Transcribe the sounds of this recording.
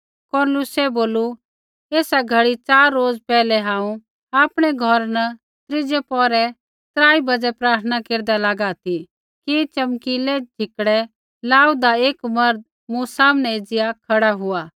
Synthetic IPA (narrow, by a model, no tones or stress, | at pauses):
kɔɾnlʊsɛboːlu | eːsaɡʱɐɽit͡ʃaːɾːoːd͡zpɛːlɛɦãːũ | aːpɽ̃ɛɡʱɔɾnɐ | t̪ɾɪd͡ʒɛpɔːɾɛ | t̪ɾaːibɐd͡zɛpɾaːɾt̪ʰənakeːɾd̪alaːɡat̪i | kit͡ʃɐmkilɛd͡ʒʱɪkɽɛ | laːud̪aeːkmɐɾd̪̚ | mũsaːmnɛeːd͡zɪjakʰɐɽaɦʊaː